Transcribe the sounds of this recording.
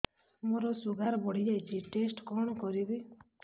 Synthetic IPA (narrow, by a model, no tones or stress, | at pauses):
moɾɔsuɡaɾɔbɔɽ̤id͡ʒajt͡ʃʰiʈesʈkɔɽ̃ɔkɔɾibi